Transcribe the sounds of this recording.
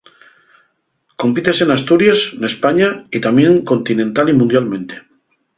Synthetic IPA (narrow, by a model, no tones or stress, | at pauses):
ko̞mpit̪esenast̪uɾjasnespaɲait̪amjẽ̞ŋko̞nt̪inẽnt̪alimũnd̪jalmẽ̞nt̪e̥